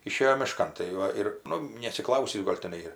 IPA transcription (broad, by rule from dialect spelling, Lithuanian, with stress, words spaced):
ɪˈʃʲeːjoː mʲɪˈʃkɐn tɐɪ ˈʋɐ ɪr ˈnʊ nʲɛɐtʲsʲɪˈklˠɐʊsʲiːs ˈɡoːlʲ ˈtʲæːnɐɪ ɪr